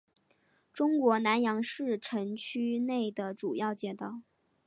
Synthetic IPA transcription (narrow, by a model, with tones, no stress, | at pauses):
ʈ͡ʂʊ˥ŋkwɔ˧˥na˧˥njɑ˧˥ŋʂɻ̩˥˩ʈ͡ʂʰɤ˧˥ŋt͡ɕʰy˥ne˥˩ɪd̪ə˩ʈ͡ʂu˨˩jɑ˥˩ʊt͡ɕjɛ˥˩t̪ɑ˥˩ʊ